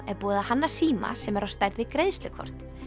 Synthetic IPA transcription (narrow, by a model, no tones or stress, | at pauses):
ɛɾpuːðahanːasiːma̰sɛmɛɾawst̪ajɾðɪkɾejðst̪lɪkʰɔ̰r̥t̪